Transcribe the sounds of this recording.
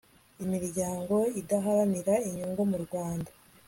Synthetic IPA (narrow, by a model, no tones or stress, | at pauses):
imiɾɟaːŋɡo̞idaɦaɾaniɾaiɲuːŋɡomuɾɡwaːnda